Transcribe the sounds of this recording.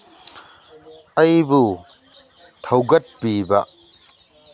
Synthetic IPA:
ɐjbu | t̪ʰɐwɡɐt̚pibɐ

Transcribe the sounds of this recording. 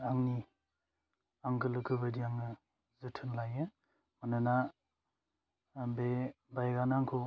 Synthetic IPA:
aŋni | aŋɡɯlɯkʰɯbadiaŋɯ | zɯtʰɯnlajɯ | manana | be | bajɡanaŋkʰo

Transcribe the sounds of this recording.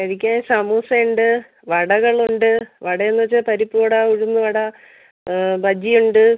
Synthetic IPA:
ɐɻikʲːaːsɐmuːsɐɳɖɨ | ʋɐɽɐɣɐɭuɳɖɨʋɐɽɐenːɨʋɐt͡ɕːɨpɐɾipːoːɽɐuɻunːɨʋɐɽɐ | bɐd͡ʑijuɳɖɨ

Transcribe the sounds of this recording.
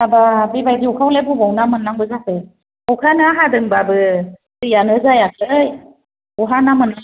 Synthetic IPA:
ababibajdiukʰawlebubɔwnamɯnːaŋbɯzakɯ | ukʰanaɦadɯŋbabɯ | tɯjanɯzajak̚ʰlɯj | uɦanamɯn

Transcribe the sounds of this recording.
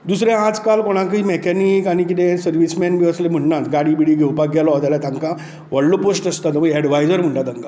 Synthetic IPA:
d̪usɾẽad͡zkalkɔɽ̃ãŋkimɛkɛnikañikit̪ẽsəɾʋismɛnbiəslem̤əɳnãt̪ɡaɽibiɽiːɡʱewpaɡɛlɔt̪alat̪ãŋka | ʋəɽluposʈəst̪at̪əməɡɛɽʋajd͡zəɾm̤əɳʈat̪ə̃ŋka

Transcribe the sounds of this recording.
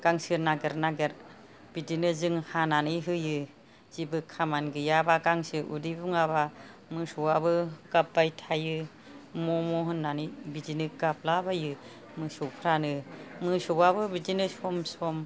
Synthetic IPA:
ɡ̥aŋsɯnaɡeɾnaɡeɾ | b̥idinɯzɯŋhananɯɦɯjɯ | zibɯkʰamanɡɯjabaɡaŋsɯʔṵdibuŋaba | mɯsɔwabɯɡap̚bajtʰajɯ | mɔmɔɦɯnːanɯbidinɯɡap̚labajɯ | mɯsɔpʰɾanɯmɯsɔwabɯbidinɯsɔmsɔm

